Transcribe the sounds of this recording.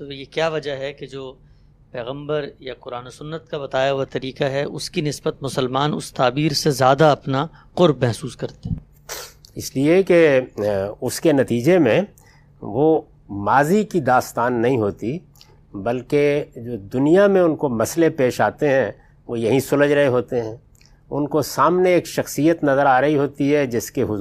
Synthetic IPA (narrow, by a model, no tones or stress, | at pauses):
t̪ojekjaːʋɐd͡ʒəɦɛked͡ʒoː | pɛːɣə̃mbəɾjaqʊɾaːnosʊnːət̪̚kabɐt̪aːjaoat̪ɐɾiːqaɦɛʔʊskinɪsbət̪mʊsəlmaːnʊ̰st̪aːbiːɾsezjaːd̪aɐpna | qʊɾbmɛɦsuːskɐɾt̪eɛ | ɪslieke | ʊskenɐt̪iːd͡ʒemẽ | ʋoː | maːzikid̪aːst̪aːnːɐɦĩɦoːt̪i | bɐlked͡ʒoːd̪ʊnijamẽʊnkomɐslepeːʃaːt̪eɦɛ̃ | ʋojɐɦĩsʊləd͡ʒɾɐɦeɦoːt̪eɦɛ̃ː | ʊnkosaːmneeːkʃɐxsijət̪nɐzəɾaːɾɐɦiɦoːt̪iɦɛd͡ʒɪskeɦʊ